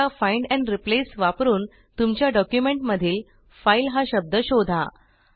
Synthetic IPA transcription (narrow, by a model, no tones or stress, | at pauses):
afajɳɖɛ̃ɳɖɾiplesʋapɾuːn | t̪umt͡ɕjaɖɔkjumeɳʈməd̪ʱiːl | failɦaɕəb̚d̪əɕod̪ʱa̰